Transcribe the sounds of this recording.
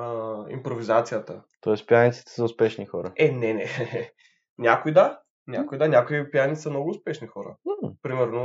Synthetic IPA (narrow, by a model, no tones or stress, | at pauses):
əḭmpɾovizat̪sijət̪ət̪ɔɛspijanit̪si̥t̪ɛ̥sɐʊspɛʃnixɔɾəɛnɛnɛ | nʲakoid̪a | nʲakʊid̪anʲjakoipjanʲisəmnɔɡʊʊspɛʃnixɔɾə̰pɾimɛɾno